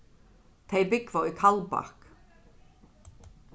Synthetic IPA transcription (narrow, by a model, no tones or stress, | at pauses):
t̪ʰejbɪkvawikʰalpa̰hk